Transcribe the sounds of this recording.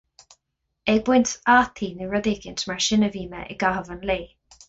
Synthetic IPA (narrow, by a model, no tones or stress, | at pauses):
eːbwʊntaːt̪ʰiniɹəðɪɡɪntmaɹʃɪnəviːmə̰ʔɪ̰ɡaɦəvənleː